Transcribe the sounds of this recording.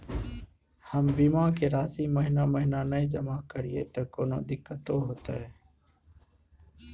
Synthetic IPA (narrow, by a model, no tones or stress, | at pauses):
həmbiːmaːkʰeːɾaːsiːməɦɪnaːməɦɪnaːnəĩːd͡ʒəmaːkəɾɪjḛːt̪əːkoːnõ̰ːd̪ɪkːət̪oːɦoːt̪aeː